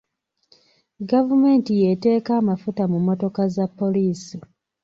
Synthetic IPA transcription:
ɡavume̞ːntije̞te̞ːkaːmafutamumːo̞to̞kazapːo̞liːsi

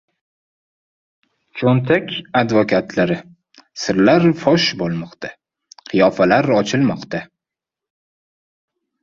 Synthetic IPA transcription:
t͡ʃʰont̪ʰakʲad̪vokʲʰat̪ʰlaɾɪ | sɪɾlaɾfɒʃbolˠmɒqt̪ʰa | qʰɨjɒfalaɾɒt͡ʃʰɪlmɒqt̪ʰa

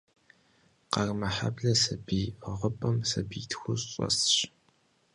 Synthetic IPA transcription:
qɐrmɐħa̰bɮɐsɨbiʁəpʼɐmsɐbitʰxʷʊɕʼɔ̰sɕ

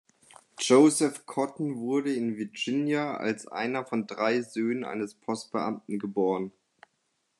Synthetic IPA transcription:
d͡ʒ̥oʊzɛfkʰɔtn̩vʊɐɾəɪnvɪɐd͡ʒɪnjaa̰lsʔa̰ɪnɐfɔndʁaɪzøːnənʔa̰ɪnəspʰɔst̚b̥əʔa̰mtn̩ɡəboːʁən

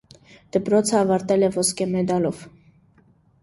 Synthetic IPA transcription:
d̪̥əpɾɔt͡sʰəɑvɑɾt̪ɛlɛvɔskɛmɛd̪ɑlɔv̥

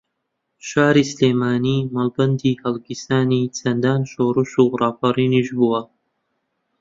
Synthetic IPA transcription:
ʃaːɾislemaːniːmɐlbɐnd̪ihɐlɡisaːnit͡sʰɐnd̪anʃoːɾuʃuʁrɑːfɑɾiːniʒbua

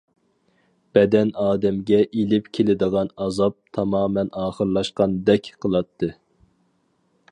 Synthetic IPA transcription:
b̥ɛd̪ɛnɑːd̪ɛmɡʲɛʔelɪpkʲʰelɪd̪əʁɑnɑzɑp̚t̪ʰɑmɑːmɛnɑːχəɾlˠɑʃqɑnd̪ɛkʲqʰəlˠɑt̪ʰːɨ

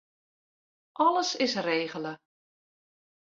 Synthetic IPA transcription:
ʔɔləsɪsreːɣələ

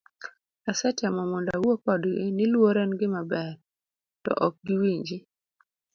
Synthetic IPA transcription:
asɛtjamɔmɔndawokɔdɡɪnɪlwoɾɛnɡɪmabɛɾ | tɔ̰ʔɔk̚ɡiwiɲd͡ʒi

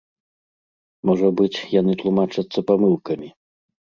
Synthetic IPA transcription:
mɔʐɐbɨt͡sʲjanɨt̪lˠumat͡ʂɐt̪sːɐpamɨlˠkɐmʲi

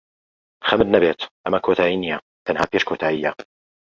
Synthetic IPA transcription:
xamd̪nabeːt̪ʔamakot̪aːʔinija | t̪anhapjeʃkoːt̪ʰaːʔɪjːa

